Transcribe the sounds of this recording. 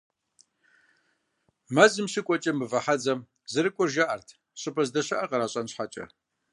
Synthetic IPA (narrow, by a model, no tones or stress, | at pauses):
mɐzɨmɕɪkʷʼɔt͡ʃʼɐmɨvɐħad͡zɐm | zɨɾɨkʷʼʊrʒaʔɐrtʰ | ɕʼɪpʰʼɐzdɐɕɐʔɐqɐɾaːɕʼɐnɕħat͡ʃʼɐ̰